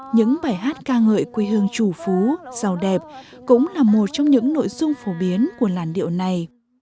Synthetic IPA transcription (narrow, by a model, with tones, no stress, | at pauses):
ɲɨ̰˧˥ŋɓaː˧˩jɦaː˦˥t̚kaː˧ŋə̰ː˧˨jkwi˧ɦɨ˧əŋt͡ɕu˧˩fu˨˦z̥a˨˩wɗɛ˨˩p̚ | kʊ̰˧˥ŋ͡mlaː˨˩mo˨˩t̚t͡ɕɔ˧wŋ͡mɲɨ̰˧˥ŋno̰˧˥˨jzʊ˧ŋ͡mfo˨˦ɓi˨˦ənku˧˩əlaː˨˩nɗḭ˧˨əwna˨˩j